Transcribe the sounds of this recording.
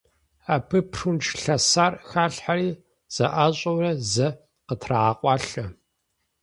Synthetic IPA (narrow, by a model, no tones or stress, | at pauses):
apʰɨpʰrunʈ͡ʂʰɬɐsaːrxaːɬħaɾiː | z̥ɐʔaːɕʼɐwrɐzɐ | qətʰraaqʷʼɑːɬɐ